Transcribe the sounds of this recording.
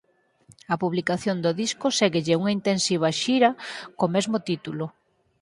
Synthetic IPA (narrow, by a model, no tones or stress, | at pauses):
ɐpuβlikaθjond̪oðiskʊseɣeʎɪuŋɐint̪ensiβ̞ɐʃiɾɐkomɛzmot̪it̪ulʊ